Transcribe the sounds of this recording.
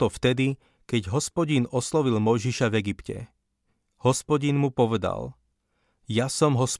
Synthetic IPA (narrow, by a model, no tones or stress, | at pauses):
ɔft̪ɛd̪i | kɛɟɦɔspɔɟinɔslɔʋilmɔjʒiʃavɛɡipcɛ̰ | hɔspɔɟinmupɔʋɛd̪a̰l | jasɔmɦɔs